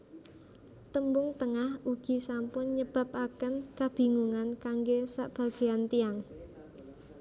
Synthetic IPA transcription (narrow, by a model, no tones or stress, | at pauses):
t̪əmbʊŋt̪əŋahuɡ̥i̤sampʊnɲəb̥a̤p̚akənkab̥i̤ŋuŋankaŋɡesa̰ʔb̥a̤ɡ̥eant̪iaŋ